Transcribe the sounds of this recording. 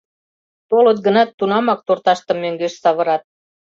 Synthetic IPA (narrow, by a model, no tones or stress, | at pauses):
t̪olət̪̚ɡənɑt̪ːunɑmɑk̚t̪ort̪ɑʃt̪ə̆mːøŋɡeʃsɑβə̆ɾɑt̪̚